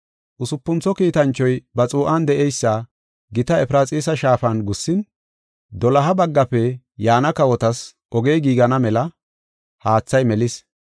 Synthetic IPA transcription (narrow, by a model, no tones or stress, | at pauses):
ʔʊsʊpːʊnt͡sːɔkiːt̪ɐnt͡ʃːɔjbɐt͡sʼuːʔɐnd̪ɛʔɛjsːɐ | ɡɪt̪ɐɛpɪɾaːt͡sʼiːsɐʃaːfɐnɡʊsːɪn | d̪ɔlɐɦɐbɐɡːɐpɛ | jaːnɐkɐwɔt̪ɐs | ʔɔɡeːɡiːɡɐnɐmɛlɐ | haːt͡sːɐjmɛlɪs